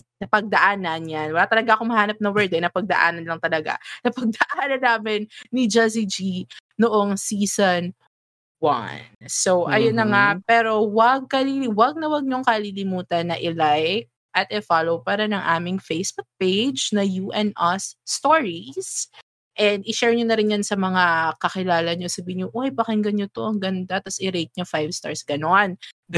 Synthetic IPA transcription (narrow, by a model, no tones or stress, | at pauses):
nɐpɐɡ̚d̪ɐʔaːnɐnjanwɐlaːt̪ɐlɐɡaʔɐkomɐhaːnɐp̚nɐwɛɹd̪ɛnɐpɐɡ̚d̪ɐʔa̰ːnɐnlɐŋt̪ɐlɐɡa̰nɐpɐɡ̚d̪ɐʔaːnɐnːaːmɪnːid͡ʒasid͡ʒinoʔoŋsiːson | wɐ̰nsowʔɐjonːɐŋapɛːɾo̞wɐɡ̚kɐliliwɐɡ̚nɐwɐɡ̚ɲoŋkɐlilɪmuːt̪ɐnːɐʔɪlajk̚ | ʔɐt̪ɛfalowpaːɾɐnɐŋʔaːmɪŋfejsbuk̚pejd͡ʒnɐjuʔɛnʔɐsːt̪oɹis | ʔɛnd̪ɪʃɛɹɲonɐɾɪnjɐnsɐmɐŋakɐxɪlaːlɐɲosɐbiːhɪnɲoʔojpɐkɛŋɡɐɲːot̪oʔɐŋɡɐnd̪at̪ɐsɪɾejt̪̚ɲofajvst̪a̰ɹsɡ̥ɐno̞n